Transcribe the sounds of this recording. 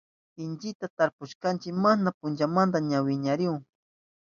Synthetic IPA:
ɪnt͡ʃɪt̪at̪aɾpʊʃkant͡ʃɪkmanapʊnt͡ʃamand̪aɲawɪɲaɾɪʊŋ

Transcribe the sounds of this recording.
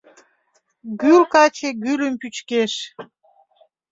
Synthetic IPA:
ɡylkɑt͡ɕeɡylʲəmpyt͡ɕkeʃ

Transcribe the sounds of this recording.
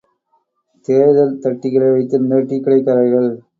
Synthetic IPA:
t̪eːðɐlt̪ɐʈːɪɣɐɭɐɪʋɐɪt̪ːɯnɐʈːikːɪɽɐɪkːɐɾɐɾɣɐɭ

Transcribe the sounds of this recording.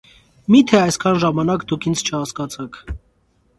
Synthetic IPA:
mit̪ʰɛɑjskʰɑnʒɑmɑnɑkd̪ukʰint͡sʰt͡ʃʰəhɑskɑt͡sʰɑkʰ

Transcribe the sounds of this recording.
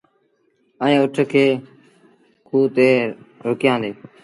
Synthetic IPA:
əẽːʊʈʰkʰeː | kʰuːt̪eːɾʊkɪjãːnd̪eː

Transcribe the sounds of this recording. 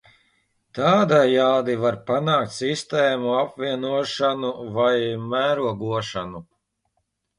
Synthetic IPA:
t̪aːd̪ajaːd̪ivaɾpanaːkt̪ʲsist̪ɛːmuapviɛnuɔʃanuvajmæːɾuɔɡuɔʃanu

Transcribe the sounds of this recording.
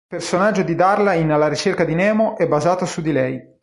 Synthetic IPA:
personad͡ʒːod̪id̪arlainlaɾit͡ʃerkad̪inɛːmoʔɛbːazaːt̪osud̪ːilɛj

